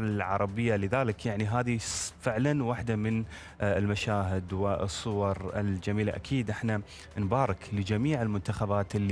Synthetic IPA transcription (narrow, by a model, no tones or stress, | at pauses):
ɪlʕɑ̰ɾˤɑbɪjːalɪðaːlɪkjaʕniɦaːðifɪʕlanwaħd̪amɪn | ɪlmaʃaːɦɪd̪wɪɨsˤːʊwɑɾˤɪ̰ld͡ʒamiːlaʔa̰kʰiːd̪ʔɪħna | nbaːɾɪklɪd͡ʒamiːʕɪlmʊnt̪axabaːt̪ɪlː